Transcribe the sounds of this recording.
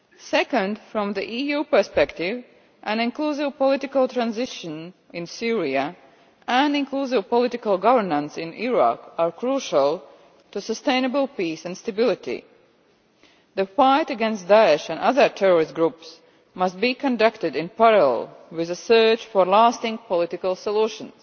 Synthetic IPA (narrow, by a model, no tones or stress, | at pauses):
sɛkə̃ndfɹɔ̃mðiʔijuːpə˞spɛktɪv | ʔæ̃nɪ̃nkluːsɪvpɔlɪtɪkəlˠt̪ɹãnzɪʃə̃n | ɪ̃nsiɹiə | æ̃nɪ̃nklusɪvpɔlɪtɪkəlˠɡʌvəɹnə̃nsɪ̃niɹa̰kaɹkɹuʃəlˠ | tusəstẽɪ̃nəbəlˠpiːsæ̃nst̪əbɪlˠɪtḭ | ðəfaɪtəɡɛ̃nst̚daɛʃæ̃nʌðə˞tʰɛɹɔɹɪst̚ɡɹups | mʌst̚bikɔ̃ndʌktɨdɪ̃npɛɹəl̰lˠwɪðəsɜːt͡ʃfɔɹlastɪ̃ŋɡpɔlɪtɪkəlˠsɔluʃə̃ns